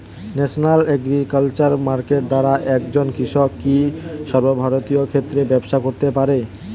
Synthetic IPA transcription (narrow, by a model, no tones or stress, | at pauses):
nɛʃonalɛɡɾikalt͡ɕaɾmaɾkeʈ̚d̪aɾaʔɛkd͡ʑonkɾiʃɔkːiʃɔɾbobʱaɾot̪iokʰet̪ːɾebɛbʃakoɾt̪epaɾe